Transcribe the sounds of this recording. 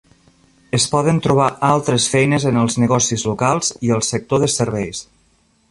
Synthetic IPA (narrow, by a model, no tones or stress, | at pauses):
əspɔðənt̪ɾuβ̞aʔalˠt̪ɾəsfɛjnəzənəlˠznəɣɔsizlukalˠz̥iəlˠsək̚t̪oðəsəɾβɛjs